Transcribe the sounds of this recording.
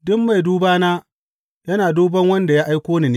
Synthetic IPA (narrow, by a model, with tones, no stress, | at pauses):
dʊ˦mːa˨jduː˦baː˦naː˦ | jɐ˦naː˨duː˦bɐ˦ŋwɐ˦nda˨ja˦ʔa˦jkʷoː˦niː˨neː˦